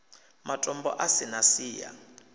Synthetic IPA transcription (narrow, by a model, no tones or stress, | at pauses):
matʼɔmbɔ̰ʔasɛnasiːja̰